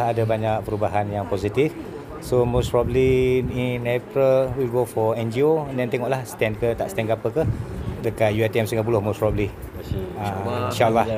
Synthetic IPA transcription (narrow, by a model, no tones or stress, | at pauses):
hadabaɲak̚pəɾubaɦanjaŋposit̪if | somospɹɔblininapɾəlwilɡofɔɛnd͡ʒioəndɛnt̪ɛŋɔʔlahst̪ɛnkət̪a̰ʔst̪ɛnɡapəkədəkat̪̚juat̪iɛmsəŋɡap̬ulʊhmospɹɔbli | ainʃalːah